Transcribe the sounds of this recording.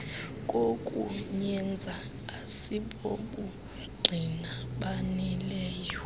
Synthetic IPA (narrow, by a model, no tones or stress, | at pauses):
k̬ʼokʼṵɲɛnd͡zʱaː | siɓoɓu | ɡ͡ǀʱinaɓanilɛːjɔ